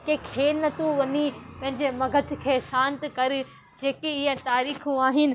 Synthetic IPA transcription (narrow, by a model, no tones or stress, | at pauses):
kekʰeːnɐt̪ũʋɐnipɐ̃ɦɪ̃ɲd͡ʑemɐɡʱət̪̆ʰkʰeːsãːnt̪kɐɾ | d͡ʑeːkeɪɦə̃t̪aːɾiːxũaːɦɪnɪ̆